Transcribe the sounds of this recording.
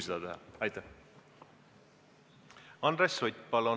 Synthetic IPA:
sed̪̥ɑt̪eɦɑ̰ɑjt̪ːˑɑ | ɑnd̪ɾesʲːojt̪ʲpɑlo

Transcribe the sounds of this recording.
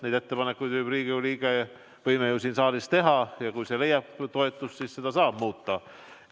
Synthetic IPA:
nejd̪̥e̞t̪ːe̞pɑnekːˑujd̪vɨjb̥riːɡ̥iuliːɡ̥ɑɑ | ʋɤjmejusiːnsɑːlist̪e̞ɦɑjɑkujse̞le̞jɑb̥t̪o̞e̞t̪ˑːust̪sisse̞d̪̥ɑsɑːb̥muːt̪ːɑ

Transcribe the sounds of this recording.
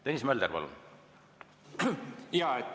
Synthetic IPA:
t̪enʲismæld̪erpɑ̰lṵn | jɑːe

